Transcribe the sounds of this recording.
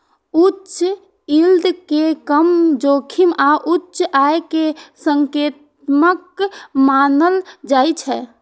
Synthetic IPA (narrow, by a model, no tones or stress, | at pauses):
utːʃ | ild̪ʱkekəmd͡ʒokʰimaʔutːt͡ʃaekesəŋket̪̚ | məkmanəld͡ʒajt͡ʃʰɛ